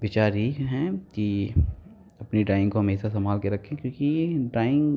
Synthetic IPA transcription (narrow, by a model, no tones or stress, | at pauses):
ʋɪt͡ʃaːɾiɦɛ̃ːki | ɐpniɖaːɪ̃ŋɡkoɦɐmeːʃasɐmaːlkeɾɐkʰːẽkjõːkiɖaːɪ̃ŋɡ